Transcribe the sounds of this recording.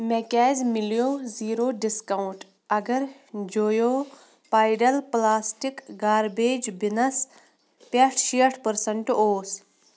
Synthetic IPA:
mekɛːzmiljoːziːɾoːɖiskauɳʈ | ɐɡɐɾd͡ʒoːjoː | paːjɖɐlplaːsʈikɡaːɾbeːd͡ʒbinɐs | pɐʈʰʃiːʈʰpəɾsɐɳʈoːs

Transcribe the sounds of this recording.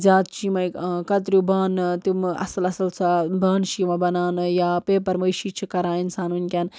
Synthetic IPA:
zʲaːt̪̚t͡ʃʰimɐjkɐt̪ɾʲubaːnt̪imɐ̰sɐlɐsɐlsʰɐbaːnʃiːmɐbɐnaːnɨjaːpeːpɐɾmɐjʃiːt͡ʃʰikɐɾaːinsaːnunʲkʲaːn

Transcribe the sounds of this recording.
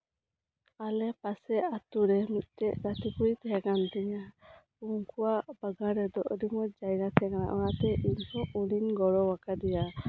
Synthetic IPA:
alɛpasɛat̪uɾɛmit̪̚ˀtɛʔɡat̪ʰikuɽit̪ɛɦɛkant̪ɛɲa | uŋkuwabaɡaɾɛd̪ɔʔɾimɔd͡ʒajɡat̪ʰɛɛkana̰ʔɔnat̪ɛʔiɲsɔuɽiɲɡɔɾɔwakad̪ɛja

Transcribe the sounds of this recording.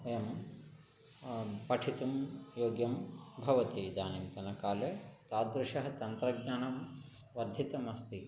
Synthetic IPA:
ɐjɐm | pɐʈʰit̪umjoːɡjɐmbʱɐʋɐt̪id̪aːnimt̪ɐnɐkaːleːt̪aːd̪ɾuʂɐɦɐt̪ɐnt̪ɾɐɡɲaːnɐm | ʋɐd̪ʱjit̪ɐmɐst̪i

